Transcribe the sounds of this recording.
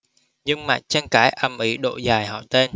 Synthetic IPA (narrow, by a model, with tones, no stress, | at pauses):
ɲɨ˧ŋma̰˨˩t̚t͡ɕa˧nkaː˧˥˦jʔə˨˩mʔi˨˩˦ɗo̰˧˨zaː˨˩jhɔ̰˧˨t̪e˧n